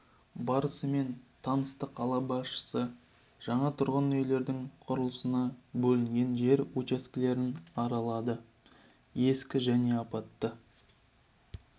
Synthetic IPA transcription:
bɑɾəsəme̞nt̪ʰɑnəst̪əqʰɑlˠɑbɑsʃə̥sə | ʒ̥ɑɴɑt̪ʰʊɾʁənɵjle̞ɾd̪ɪŋqʰʊɾəlˠəsənɑbɵlɪŋɡʲe̞nʒe̞ɾut͡ʃaskʲɪle̞ɾɪnɑɾɑlˠɑd̪ə | e̞skʲɪʒæne̞ɑpɑt̪ːə

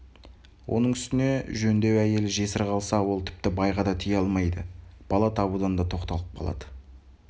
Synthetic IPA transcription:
wʔo̞̰nəɴʏst̪ɪne̞ʒɵnd̪e̞wæje̞lɪʒe̞sɪɾqɑlˠsɑwo̞lˠt̪ʰɪ̥p̚t̪ɪbɑjʁɑd̪ɑt̪ʰijɑlˠmɑjd̪əb̥ɑlˠɑt̪ʰɑbud̪ɑnd̪ɑt̪ʰo̞qt̪ɑlˠəp̚qʰɑ̰lˠɑ̰d̪̥ə

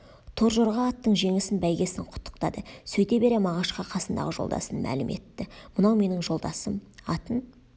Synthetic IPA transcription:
t̪ʰo̞ɾʒoɾʁɑːt̪ːəɴʒe̞ŋɪsɪnbæjɡʲe̞sɪɴqʰʊ̥t̪ʰːə̥q̚t̪ɑd̪əsɵjt̪ebe̞ɾe̞mɑʁɑʃqɑqʰɑsənd̪ɑ̰ʁəʒo̞̰lˠd̪ɑ̰sənmʔæ̰lɪmʔe̞̰t̪ːɪmʊnɑwme̞nɪŋʒo̞lˠd̪ɑsəmɑt̪ən

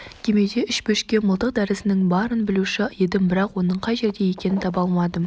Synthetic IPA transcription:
kʲʰe̞me̞d̪e̞ʏʃbɵʃkʲe̞məlˠt̪əq̚d̪æɾɪsɪnɪŋbɑɾənbɪluʃɪjed̪ɪmbɪɾɑqwo̞nəɴqʰɑjʒe̞ɾd̪eje̞kʲe̞nɪnt̪ʰɑbɑlˠmɑd̪ə

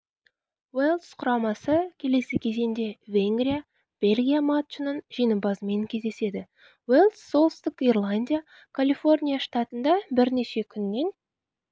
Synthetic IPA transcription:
welˠd̪sqʰʊɾɑmɑsəkʲʰe̞le̞sɪkʲʰe̞ze̞nd̪e̞vʲe̞ŋɡɾʲija | b̥e̞lʲɡʲijamat̪t͡ʃnənʒ̥ijnəmbɑzəme̞ŋkʲʰe̞zd̪e̞se̞d̪ɪ | welˠd̪sːo̞lˠst̪əkirlˠanʲd̪ʲija | kʰalʲifo̞rnʲijaʂt̪at̪ənd̪ɑbɪɾne̞ʃe̞kʲʰʏnːe̞n

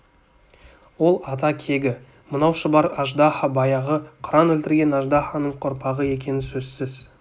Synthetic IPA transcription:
wo̞lˠɑt̪ɑkʲʰe̞ɡʲɪ | mənɑwʃəbɑɾɑʒd̪ɑhɑbɑjɑʁəqʰʊɾɑnwɵlt̪ɪɾɡʲe̞nɑʒd̪ɑχɑnəɴqʰoɾpɑʁəe̞kʲe̞nɪsɵzsɪz

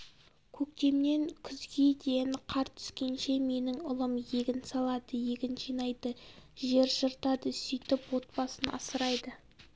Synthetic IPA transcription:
kʲʰɵkt̪e̞mne̞ŋkʲʰʏzɡʲed̪e̞nqʰɑɾt̪ʰʏ̥skʲe̞nʃe̞me̞nɪŋʊlˠəmje̞ɡʲɪnsɑlˠɑd̪əje̞ɡʲɪnʒijnɑjd̪əʒe̞ɾʒəɾt̪ɑd̪əsʏjt̪ɪpwo̞t̪̚pɑsənʔɑ̰səɾɑjd̪ə

